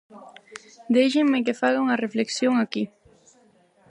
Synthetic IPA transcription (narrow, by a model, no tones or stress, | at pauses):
d̪ejʒɪŋmek̬efaɣauŋarefleksjoŋaki